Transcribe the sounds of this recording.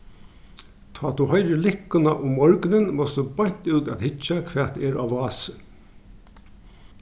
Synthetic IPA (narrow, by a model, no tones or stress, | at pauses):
t̪ʰɑːt̪uhœjɾɪlɪkːʊnaʔʊmːɔɹknɪnmɔst̪ubajɲ̥t̪uːt̪æt̪hɪt͡ʃːakʰʋɛ̥ːt̪ɛɾaʋɑːsə